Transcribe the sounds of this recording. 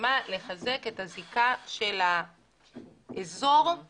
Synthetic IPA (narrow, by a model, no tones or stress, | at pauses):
male̞χaze̞kethazikaʃe̞la | ʔezo̞ʁ